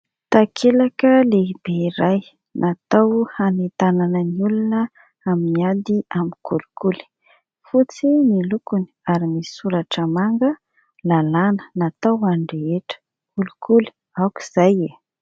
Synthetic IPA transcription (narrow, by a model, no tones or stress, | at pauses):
t̪akʰelakəlebeiɾaj | nʔat̪awhanet̪ananəniulunə | aminiad̪iamikulukuli̥ | fut͡similukuniaɾimisuɾaʈ͡ʂəmaŋɡə | lalanə̥nat̪awaɳɖ͡ʐeeʈ͡ʂə̥ | kulukʰuli̥ | awki̥z̥aje